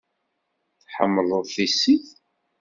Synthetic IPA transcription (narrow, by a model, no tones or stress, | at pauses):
θħə̰mːələðˤθisiθ